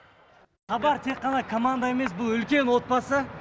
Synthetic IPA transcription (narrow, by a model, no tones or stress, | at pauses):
χɑbɑɾt̪ʰe̞kːɑnɑkʰo̞mand̪ae̞me̞s̬bʊlˠʏlkʲe̞nwo̞t̪̚bɑsə